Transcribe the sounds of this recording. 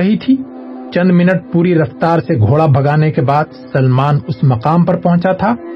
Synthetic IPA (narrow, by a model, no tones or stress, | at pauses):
ɐɦit̪ʰiː | t͡ʃɐ̃nd̪mɪnəʈ̚puːɾiɾɐft̪aːɾseɡʱoːɭabʱɐɡaːnekebaːd̪sɐlmaːnʊsmɐqaːmpɐɾpɐɦʊ̃t͡ʃat̪ʰaː